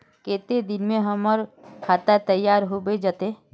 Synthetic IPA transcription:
keːt̪ed̪ɪnmẽɦɐmɔɾkʰaːt̪ət̪əjːaːɾɦobed͡ʒat̪eː

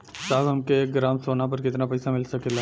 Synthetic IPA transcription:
saːbɦɐmkeeːk̚ɡɾaːmsoːnap̬ɐɾkɪt̪napɐɪsamɪlsɐkela

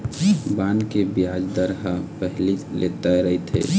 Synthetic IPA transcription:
bankebijad͡ʒd̪əɾɦəpəɦlilʔḛt̪aɾəɦit̪ɦḛ

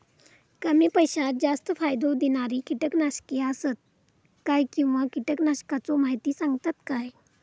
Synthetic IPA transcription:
kəmiːpəjɕat̪̚d͡zast̪əfajd̪od̪inaɾikiʈəknaɕkiasət̪̚ | kajkĩw̃ʋakiʈəknaɕkat͡sɔmaɦit̪iːsãŋɡt̪at̪kaj

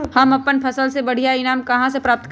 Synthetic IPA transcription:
hɐmɐpːənpʰɐsəlsebɐɽ̤ijaɪnaːmkɐɦãsepɾaːp̚t̪k

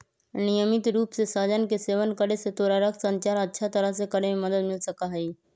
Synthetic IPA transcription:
nijəmɪt̪ɾuːpsesaːd͡ʒənkeseːʋənkəɽeset̪oɾaɾəkʰsə̃ɲt͡ʃaːɾətːʃʰat̪əɾəɦsekəɽememəd̪əd̪mɪlsəkaɦəi

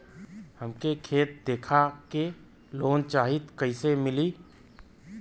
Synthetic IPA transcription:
həmkekʰeːt̪̚d̪eːkʰake | loːnt͡ʃaːɦɪt̪kɐisemɪli

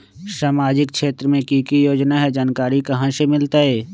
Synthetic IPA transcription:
saːmaːd͡ʒɪkʃeːt̪ɾəmẽkiːkijoːd͡ʒnaɦɛd͡ʒaːnkaːɾikɐɦãʃemɪlt̪aɦɛː

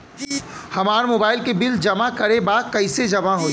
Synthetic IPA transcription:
hɐmaːɾmoːbaːɪlkebɪld͡ʒɐmakɐɾebaːkɐɪsed͡ʒɐmaɦoː

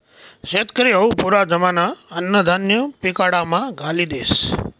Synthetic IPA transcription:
ʃet̪kəɾiəupuɾad͡ʒəmanaənːəd̪ʱanjəpikaɽamãɡʱalid̪es

